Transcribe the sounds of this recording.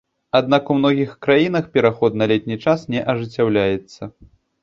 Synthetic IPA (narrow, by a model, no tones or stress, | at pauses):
ad̪nakumnɔɣʲixkɾajin̪ɐxpʲɛɾaxɔd̪nɐlʲɛt̪̚ʲnʲit͡ʂasnʲɛʔɐʐɨt͡sʲːawlʲajɛt̪sːɐ